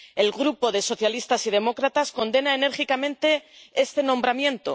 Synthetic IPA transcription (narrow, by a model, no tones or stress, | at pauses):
e̞lɣɾupo̞ðe̞so̞θjalist̪asið̞e̞mo̞kɾat̪asko̞nd̪e̞naene̞ɾxikamẽ̞nt̪e̞e̞st̪e̞nõ̞mbɾamjẽ̞nt̪o̰